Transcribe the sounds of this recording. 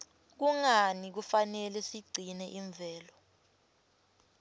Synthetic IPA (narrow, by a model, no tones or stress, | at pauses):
k̬uŋanik̬ufanɛlɛsiɡ͡ǀʱinɛʔiɱb̪vʱɛːlɔ